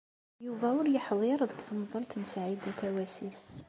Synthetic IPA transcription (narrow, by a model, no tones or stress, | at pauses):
juvæʊɾjəħðˤeɾˤəðˤθnðˤəɾˤt̪ənsaʕid̪æt̪æwæsis